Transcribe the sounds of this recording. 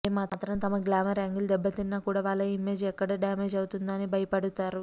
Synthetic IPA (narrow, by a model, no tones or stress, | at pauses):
emaːtːt̪ɾɐmt̪ɐmɐɡlaːmɐɾaŋɡild̪ɛbːɐt̪inːaːkuːɽaːʋaːɭːɐimeːd͡ʒɛkːɐɽɐɖaːmeːd͡ʒɐwut̪und̪ɐnibʱɐjɐpɐɽut̪aːɾu